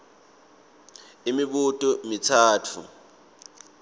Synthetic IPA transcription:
imiɓutʼɔmitʰaːtʰṵ

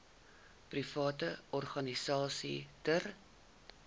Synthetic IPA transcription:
prifɑːtəɔrχɐnisɑːsḭtər

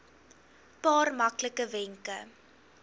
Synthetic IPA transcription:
pɑːrmɐkləkəvɛŋkə

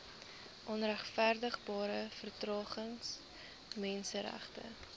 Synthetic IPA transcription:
ʔɔnræχfærdəχbɑːɾəfərtrɑːχəŋs | mɛnsəɾæ̰χtə̰

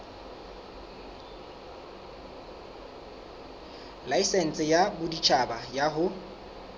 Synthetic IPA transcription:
laisɛn̩t͡sʼɪjabʊdit͡ʃʰʼabajaɦʊ

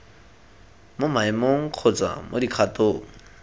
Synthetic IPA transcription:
mʊmaɪmoŋ̩q͡χʰʊt͡sa̰mʔo̰dikʰatoːŋ̩

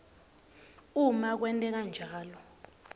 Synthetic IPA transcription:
umak̬wɛntʼɛk̬and͡ʒʱaːlɔ

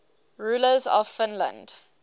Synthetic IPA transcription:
ɹuːləzɔ̰v̥fɪ̃nlə̰̃nd̥

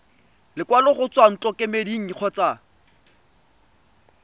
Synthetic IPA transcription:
lɪkʼwalʊχʊt͡sʼwan̩t͡ɬʼɔkʼemediŋ̩k͡xʰɔt͡sʼa

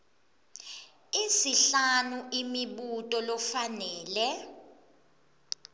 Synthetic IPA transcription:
isiɬanuʔimiɓutʼɔlɔfanɛːlɛ

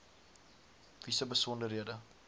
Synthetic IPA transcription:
visəbəsɔndərɦiədə

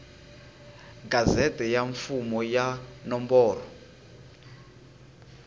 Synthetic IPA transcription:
ɡazɛtɛjaɱfumɔjanɔmbɔːrɔ

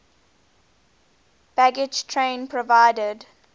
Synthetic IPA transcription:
b̥æɡɪd͡ʒtʰɹẽɪ̃npʰɹɔvaɪdəd

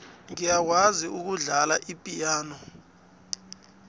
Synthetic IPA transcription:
ŋijak̬waziuk̬uɮalaʔipʼijaːnɔ

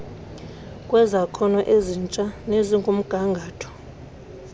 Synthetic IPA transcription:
kʼwɛzakʰɔnɔʔezint͡ʃʼaneziŋɡʱum̩ɡ̥ʱaŋɡʱaːtʰɔ̥

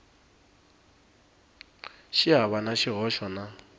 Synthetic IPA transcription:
ʃiɦaβanaʃiɣɔʃɔna

